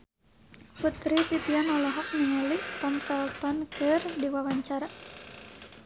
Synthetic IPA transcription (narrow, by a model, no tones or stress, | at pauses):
put̪ɾit̪it̪ianɔlɔɦɔk̚niŋəliʔt̪amsɛlt̪ɔnkɨrdiwawaɲt͡ʃaɾa